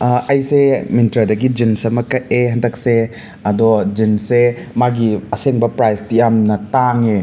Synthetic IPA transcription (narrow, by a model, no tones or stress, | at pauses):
ɐjseminitɾɐɾdɐɡid͡ʒinsɐmɐkɐteɦɐndɐk̚se | ɐdɔd͡ʒinsemaɡiɐseŋbɐpɾajstijamnɐtaŋe